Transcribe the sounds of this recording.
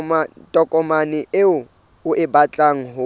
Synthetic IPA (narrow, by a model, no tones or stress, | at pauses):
tʼɔkʼɔmanɪeʊ | ʊʔɪbat͡ɬʼaŋ̩ɦʊ